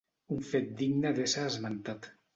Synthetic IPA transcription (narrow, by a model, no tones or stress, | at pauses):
uɱfet̪̚d̪iɡnəðesaːzmant̪at̪